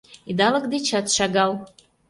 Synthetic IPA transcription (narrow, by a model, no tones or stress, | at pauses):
id̪ɑləkd̪et͡ɕɑt̪ʃɑɣɑl